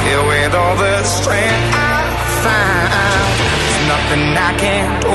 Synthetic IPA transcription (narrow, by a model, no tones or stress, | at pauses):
filˠwɪðɔlˠðəstɹ̥æ̃ | a | fã | na | n | znʌθɪ̃ŋðakʰæ̃n